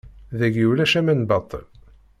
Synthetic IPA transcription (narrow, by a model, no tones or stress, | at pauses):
ðæɡiwlæʃæmænbɑt̪ˤːə̰l